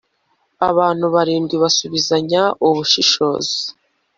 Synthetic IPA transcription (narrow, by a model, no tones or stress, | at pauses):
aβaːn̥huβaɾiːmɡwiβasuβizaɲaʔuβuʃiʃo̞̰ːzi